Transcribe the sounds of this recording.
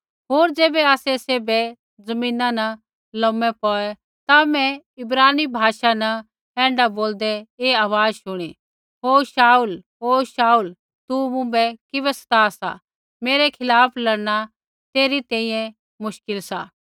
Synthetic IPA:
ɦoːɾd͡ʒeːbɛaːsɛseːbɛ | zɐmĩːnãnɐ | lɔ̃mɛpɔːɛ | t̪amɛ̃ | ɪbɾaːnibʱaːʃanɐ | ɛ̃ːɳɖaboːld̪ɛeːaːʋaːd͡zʃʊɽ̃i | ɦoːʃaːulɦoːʃaːul | t̪umʊ̃bɛkɪβɛsɐ̥t̪asa̰ | meːɾɛkʰɪlaːpʰlɐɽɽ̃a | t̪eːɾit̪ɛ̃ːĩːjɛ̃ | mʊʃkɪlsa̰ː

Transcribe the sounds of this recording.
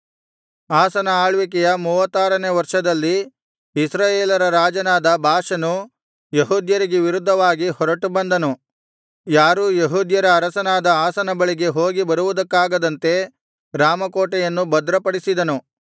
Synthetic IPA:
aːsɐnɐaːɭʋik̬ɛjɐmuːʋɐt̪ːaːɾɐneːʋɐɾʂɐd̪ɐlːi | isɾaːjeːlɐɾɐɾaːd͡ʒɐnaːd̪ɐbʱaːʂɐnu | jeɦuːd̪jɐɾiɡeʋiɾud̪ʱːɐʋaːɡihɔɾɐʈubɐnd̪ɐnu | jaːɾujeɦuːd̪jɐɾɐːɾɐsɐnaːd̪ɐaːsɐnɐbɐɭiɡe̞ɦoːɡibɐɾuʋud̪ɐkːaːɡɐd̪ɐnt̪e̞ | ɾaːmɐkoːʈɛjɐnːubɐd̪ɾɐpɐɽisid̪ɐnu

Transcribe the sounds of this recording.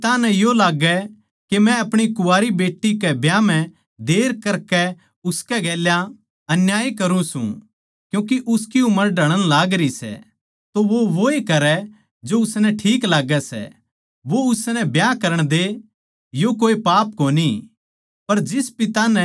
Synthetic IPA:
t̪anɛ̃jolaːɡɛ | kemɛ̃ɐpɽ̃ikʊaːɾibeːʈːikɛbjãm̤ɛ̃ | d̪eːɾkɐɾkɛ | ʊskɛɡɛːlja | ɐnjaːikɐɾũsṵ̃ | kjũːk̬iʔʊskiʊməɾɖʱɐɽ̃ənlaːɡɾisɛ̰ | t̪oʋoʋoekɐɾɛ | d͡ʒoʊsnɛʈʰiːklaːɡɛsɛ̰ | ʋoʊsnɛbjakɐɾəɽ̃d̪e | jokoːipaːp̚koːni | pɐɾd͡ʒɪspɪt̪anɛ̃

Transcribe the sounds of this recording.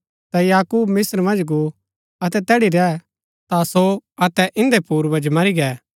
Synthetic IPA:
t̪ɛjaːkuːbmɪsəɾmɐ̃nd͡ʒɡu | ɐt̪̬ɛt̪ɛːɽiɾɛː | t̪asoɐt̪ɛʔɪ̃nd̪epuːɾbɐ̃d͡ʒmɐɾiɡɛː

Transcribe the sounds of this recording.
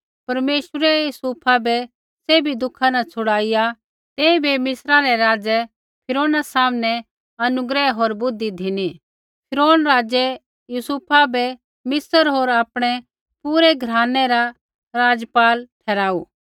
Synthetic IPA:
pɐɾmeːʃəɾɛjusuːpʰabʱɛ | seːbʱid̪ʊkʰanat͡sʰʊɽaːɪja | t̪eːĩbʱemɪsɾaɾɛɾaːd͡ʒɛ | pʰɪɾoːnasaːmnɛ | ɐnʊɡɾɛɦoːɾbʊd̪id̪ʱɪni | pʰɪɾoːnɾaːd͡ʒɛ | jusuːpʰabʱɛ | mɪsəɾɦoːɾaːpɽ̃ɛ | puːɾɛɡʱɾaːnɛɾa | ɾaːd͡ʒəpaːlʈʰɛːɾaːuː

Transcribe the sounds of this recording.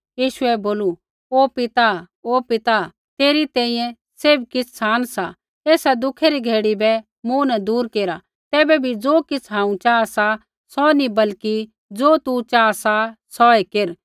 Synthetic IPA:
jiːʃuɛboːlu | oːpɪt̪a | oːpɪt̪a | t̪eːɾit̪ɛ̃ːĩjɛ̃ | seːbkɪt͡sʰsaːnsa | eːsad̪ʊkʰɛɾiɡʱeːɽibɛ | mũnɛd̪uːɾkeːɾa | t̪ɛːbɛbʱid͡zoːkɪt͡sʰɦãːũt͡ʃaːasa | sɔnibɐlki | d͡zoːt̪ut͡ʃaːsasɔekeɾ

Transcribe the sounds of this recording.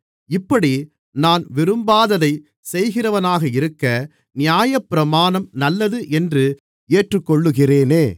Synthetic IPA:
ɪpːɐɽi | naːnʋɪɾɯmbaːðɐðɐɪ | sɛjɣɪrɐʋɐnaːɣɐɪɾɯkːɐ | nɪjaːjɐpːɪɾɐmaːnɐmnɐlːɐðɯʔɛndrɯ | eːʈrɯkːɔɭːɯɣɪreːneː

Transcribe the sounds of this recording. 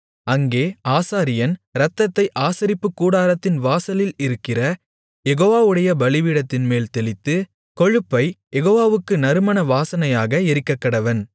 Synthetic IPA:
ɐŋɡeːaːsaːɾɪjɐnɾɐt̪ːɐt̪ːɐɪʔaːsɐɾɪpːɯkːuːɽaːɾɐt̪ːɪnʋaːsɐlɪlɪɾɯkːɪrɐ | jɛɣoːʋaːʋɯɽɐjɐbɐlɪʋiːɽɐt̪ːɪnmeːlt̪ɛlɪt̪ːɯ | kɔɻɯpːɐɪjɛɣoːʋaːʋɯkːɯnɐɾɯmɐnɐʋaːsɐnɐjaːɣɐɪɾɪkːɐkːɐɽɐʋɐn

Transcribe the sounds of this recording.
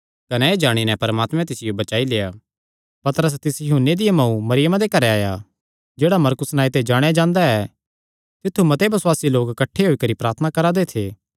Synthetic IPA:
kɐnɛeːd͡ʒaːɽ̃inɛpɐɾəmaːt̪mɛ̃t̪ɪsɪjobɐt͡ʃaːileːa | pɐt̪ɾəs̬t̪ɪsjɐɦʊnːed̪ɪjemɐ̃ũmɐɾɪjəmãd̪ekɐɾɛaːja̰ | d͡ʒeːɽamɐɾkʊsnaːit̪ed͡ʒaːɽ̃ejad͡ʒãːnd̪aɛ | t̪ɪt̪ʰːumɐt̪ebɐswaːsiloːkkɐʈʰːeɦoːikɐɾipɾaːɾt̪ʰənakɐɾad̪et̪ʰeː

